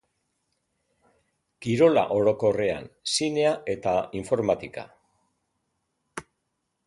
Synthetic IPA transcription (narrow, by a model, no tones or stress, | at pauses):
kiɾo̞la̰ʔo̞ɾo̞ko̞re̞a̰nsine̞aʔe̞t̪aiɱfo̞ɾmat̪ika̰